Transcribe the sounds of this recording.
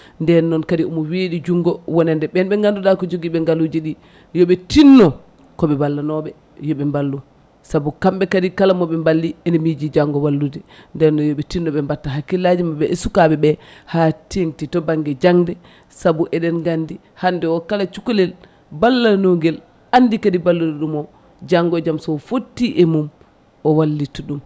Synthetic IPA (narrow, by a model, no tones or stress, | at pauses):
ndɛnːɔnkadiumɔweɗid͡ʒuŋɡɔwɔnɛndɛɓɛnbɛŋɡanduɗakɔd͡ʒoɡiɓɛŋɡalud͡ʒiɗi | jɔɓɛtinːɔ | kɔɓɛbalːanɔɓɛ | jɔɓɛmbalːu | sabukambɛkadikalamɔɓɛmbalːiɛnimid͡ʒid͡ʒaŋɡɔwalːudɛndɛnnɔjɔɓɛtinːɔɓɛmbatːaɦakːilad͡ʒimabɛʔɛsukabɛɓɛhatintitɔbaŋɡɛd͡ʒaŋdɛ | sabuʔɛɗɛnɡandi | handɛwɔkalat͡ʃukulɛl | balːanoŋɡɛl | anːdikadibalːudɛɗumɔ | d͡ʒaŋɡɔd͡ʒamsɔfotːiʔɛmum | ʔɔwalːituɗum